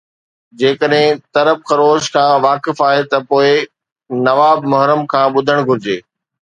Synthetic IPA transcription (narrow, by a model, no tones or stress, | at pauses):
d͡ʑeːkəɗɦɪ̃t̪ɐɾəbxɐɾoːʃkʰãːʋaːkɪfaːɦet̪ɐpoːɪ | nɐʋaːbmʊɦɾəmkʰãːɓʊd̪ʱəɽ̃ɡʱʊɾɪd͡ʑeː